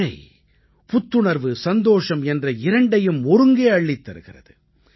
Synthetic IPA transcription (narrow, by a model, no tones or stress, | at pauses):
ɐɪ | pʊt̪ːɯɳɐɾʋɯsɐnd̪oːʂɐmɛndrɐɪɾɐɳɖɐjɯmɔɾɯŋɡeːɐɭːɪt̪ːɐɾɯɣɪrɐ̰ðɯ